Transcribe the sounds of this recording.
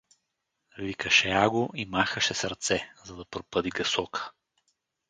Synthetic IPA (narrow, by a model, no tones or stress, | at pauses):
vikəʃɛaɡoʔimaxəʃɛsəɾt̪sɛzɐd̪ɐpɾopəd̪iɡɐsɔkʰə̥